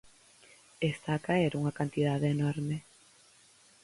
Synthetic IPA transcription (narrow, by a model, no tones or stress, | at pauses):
est̪aːkaeɾuŋɐkant̪ið̞aðeːnoɾme